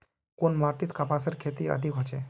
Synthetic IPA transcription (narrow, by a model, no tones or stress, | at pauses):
konmaːɾt̪it̪kapaːsəɾkʰet̪iə̰d̪ʱikɦɔt͡ʃe